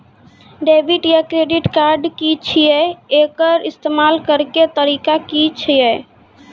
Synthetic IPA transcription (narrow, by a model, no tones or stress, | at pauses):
ɖebʱiʈjakɾeɖiʈkaɾɖkit͡ʃʰijɛekəɾist̪emalkəɾket̪əɾikakit͡ʃʰijɛ